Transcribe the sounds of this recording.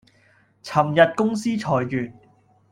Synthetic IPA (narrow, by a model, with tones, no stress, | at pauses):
t͡sʰɐ˨˩mjɐ˨t̚kʊ˥ŋsiː˥t͡ʃʰɔː˨jkyː˨t̚